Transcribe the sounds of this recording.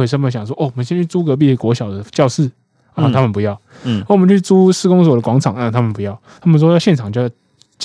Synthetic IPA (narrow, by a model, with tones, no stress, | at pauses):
e˧˩ʂə˥nmə˨˩ɕjɑ˨˩ŋʂ̬wɔ˥ʔo˥˩wɔ˨˩mə˦nɕjɛ˥nt͡ɕʰy˥˩t͡su˥kɤ˧˥p̬i˥˩kwɔ˧˥ɕjɑ˨˩ʊd̪ə˦t͡ɕjɑ˥˧ʊʂɹ̩˥˩ | ə˧˩t̪ʰa˥mə˨npu˧˥jɑ˥˩ʊ | ə˧˩wmə˨˦nt͡ɕʰy˥˩t͡su˥sɹ̩˥˧kʊ˥ŋs̬wɔ˨˩d̪ə˦kwɑ˧˥ŋt͡sʰɑ˨˩ŋa˥˧˩t̪ʰa˥mə˨npu˧˦jɑ˥˩ʊt̪ʰa˥mə˨nswɔ˥jɕjɛ˥˩nʈ͡ʂʰɑ˨˩ŋt͡ɕo˥˧j | t͡ɕ